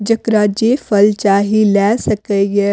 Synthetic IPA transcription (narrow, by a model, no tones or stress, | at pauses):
d͡ʒəkɾaːd͡ʒeːfʰəlt͡ʃaːɦilɛːsəkəjɛ